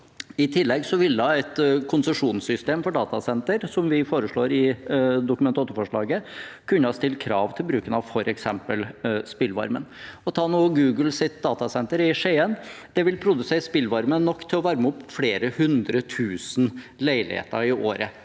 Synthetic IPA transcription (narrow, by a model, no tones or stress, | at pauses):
ɪt̪ʰɪlːɛɡsɔʋɪld̪ɑːɛt̪kʰʊnsəʂuːnsʏst̪eːmfɔɖɑːt̪ɑsɛnt̪əɾsɔmʋɪfoːɾəʂɭoːɾɪd̪ʊkʉmɛnt̪ʰɑːt̪ʊfɔʂɭɑːɡəkʰʉnːəɑst̪ɪl̚kʰɾɑːʋt̪ʰɪlbɾʉːkənɑʋfɔɾɛksɛmpəlspɪlʋɑ̰ɾmənɔt̪ʰɑːnuːəɡʉːɡəlsɪt̪̚d̪ɑːt̪ɑsɛnt̪əɾɪʂeːənd̪̥ɛʋɪlpʰɾʊd̪ʉseːɾspɪlːʋɑɾmənɔkːt̪ʰɪlɔʋɑɾməʊpːfɽeːɾəhʉnd̪ɾət̪ʰʉːsn̩læɪlɪ̰hḛːt̪əɾɪʔoːɾə